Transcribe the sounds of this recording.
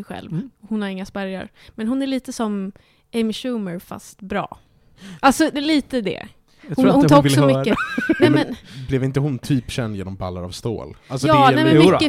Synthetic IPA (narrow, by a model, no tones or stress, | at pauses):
ɛjɧɛ̰lvɔhʊnhaɾɪŋːaspæɾja̰ɾmɛnɦʊnæɭiːt̪əsɔm | ɛmɪʂʉːməɾfa̰st̪bɾɑ̰ː | ʔalsɔliːt̪əd̪ɛ̰ | hʊɾhʊnʰɔvk̪ːsɔmʏkːənɛmɛnblɛvɪnt̪əɦʊnt̪ʰyːpɕɛnd̪jeːnɔmba̰lːaɾa̰vst̪o̰ːlalsjɑːnɛmɛnmːə